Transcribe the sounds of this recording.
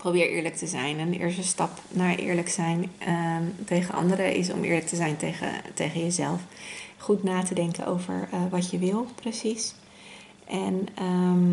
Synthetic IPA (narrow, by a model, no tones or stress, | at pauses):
prowbɪːɹʔɪ̰ːɹlək̚təzɛjnənɪ̰ːɹs̬təstɑp | naːɹʔɪ̰ːɹləksɛjn | tejχənʔɑ̰ndəɾəʔɪ̰sɔ̰mʔɪ̰ːɹlək̚təzɛjnteə̰tejχəjəzɛlˠfχutnaːtədɛŋkə̰no̰wvə̰ɹʋɑtjəʋɪlˠprəsis | ʔɛnəm